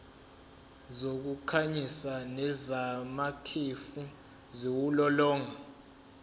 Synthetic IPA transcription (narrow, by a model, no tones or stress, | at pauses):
zok̬ukʰaɲisanɛzamakʰefu | ziwulɔlɔːŋa